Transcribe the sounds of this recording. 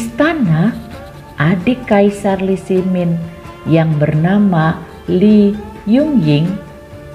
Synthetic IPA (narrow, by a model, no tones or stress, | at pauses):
st̪ana | ʔadikaisarlisimɪn | jaŋbərnama | lijuŋjɪŋ